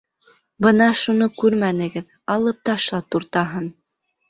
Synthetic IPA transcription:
bɤnɑʃunokʉɾmænɘ̆ɡɘð | ɑlˠɤp̚t̪ɑʃlˠɑt̪uɾt̪ɑɦɤn

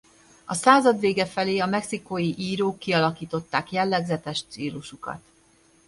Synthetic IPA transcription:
ɒsaːzɒd̪ʋeːɡɛfɛleːɒmɛksikojiʔiːɾoːkːiɒlɒkiːt̪o̞t̪ːaːkjɛlːɛɡzɛt̪ɛʃt̪siːluʃukɒ̰t̪

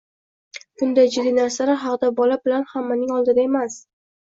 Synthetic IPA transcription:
b̥ʊnd̪ajd͡ʒɪd̪inaɾsaɾaɦɑqd̪abɒlabɪlanhamːanɪŋɒlˠd̪ɪd̪ae̞mas

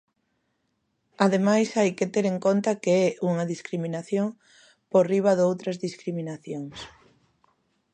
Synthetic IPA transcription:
aðemajsajket̪ɛɾeŋkont̪ɐkeɛuŋɐðiskɾimĩnaθjoŋ | poriβ̞ɐðowt̪ɾɐzðiskɾimĩnaθjoŋs

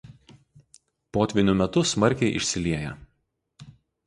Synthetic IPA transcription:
poːt̪ʲʋʲɪnʲʊmʲɛt̪ʊsmɐɾʲˑkʲɛɪʔɪ̰ʃʲsʲɪlʲiɛjɛ

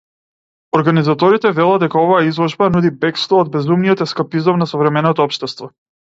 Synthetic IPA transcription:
ɔɾɡanizat̪ɔɾit̪ɛvɛlˠad̪̚d̪ɛkaɔvajaizlˠɔʒbanud̪ibɛkst̪ˠɔːd̪̚bɛzumnijɔt̪ɛskapizɔmnasɔvɾɛmɛnɔt̪ɔɔpʃt̪ɛst̪vɔ

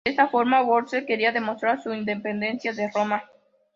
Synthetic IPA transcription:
est̪afo̞ɾmawoɾt̪seke̞ɾiaðe̞mo̞st̪ɾaɾsuind̪epe̞nd̪e̞nsjaðero̞ma

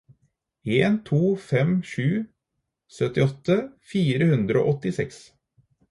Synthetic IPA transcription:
eːnt̪ʰuːfɛmʃʉː | sœt̪ɪɔt̪ːəfiːɾəhʉnd̪ɾəo̰ːʔɔt̪ːɪsɛks

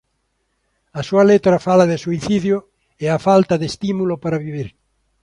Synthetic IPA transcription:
ɐsuɐlet̪ɾɐfalaðɪsuiθiðjʊ | eafalt̪ɐðest̪imulʊpaɾaβiβiɾ

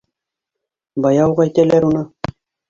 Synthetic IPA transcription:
bɑjɑwʁɑæjt̪ælæɾunɤ

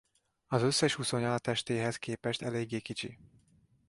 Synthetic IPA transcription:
ɒzø̞sːɛʃhuso̞ɲɒlɒt̪ɛʃt̪eːɦɛskeːpɛʃt̪ɛleːɡːeːkit͡ʃḭ

